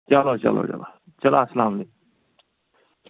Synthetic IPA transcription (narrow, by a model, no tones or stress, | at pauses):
t͡ʃɐloːt͡ʃɐ̰lo̰ːt͡ʃɐ̰la̰ | t͡ʃɐlaːslaːmleːk̚